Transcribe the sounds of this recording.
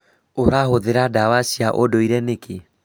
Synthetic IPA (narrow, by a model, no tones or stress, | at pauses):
oɾaɦoðeɾadawasiaʔodoiɾɛnekʰe